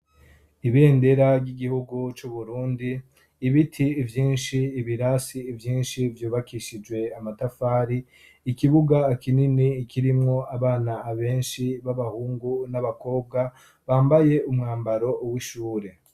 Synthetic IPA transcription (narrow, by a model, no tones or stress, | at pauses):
iβe̞ːnde̞ɾaɾɟiɡihuɡut͡ʃuβuɾuːndiː | βitʰiːvjiːnʃiːβiɾasiːvjiːnʃivjuːβakiʃid͡ʒwe̞amatafaːɾiː | kiβuɡakininiːkʰiɾimŋo̞aβaːnaːβe̞ːnʃiβaβahuːŋɡunaβako̞ːb̚ɡa | βaːmbaje̞ʔumŋaːmbaɾo̞ʔwiʃuːɾe̞